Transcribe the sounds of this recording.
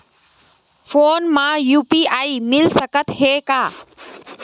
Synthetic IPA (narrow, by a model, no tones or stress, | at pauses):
fʰoːnmãjuːpiaːiːmɪlsəkət̪ɦeːkaː